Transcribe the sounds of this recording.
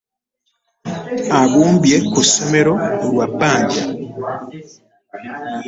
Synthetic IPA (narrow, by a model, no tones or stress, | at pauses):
aɡuːmbjekusemeɾoɾwabaːɲɟa